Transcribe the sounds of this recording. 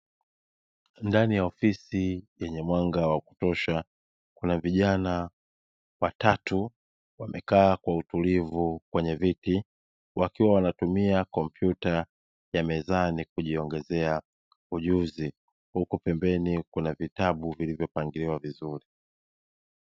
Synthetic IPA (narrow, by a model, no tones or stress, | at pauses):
ndanijaɔfisijɛɲɛmwaŋɡawaku̥tɔʃa | kunaviʄana | watatu | wamɛkaːkwautulivukwɛɲɛviti | wakiwawanatumiakɔmpjuta | jamɛzanikuʄiɔŋɡɛzɛa | uʄuzi | hukupɛmbɛnikunavitaɓuvilivjɔpaŋɡiliwavizuɾi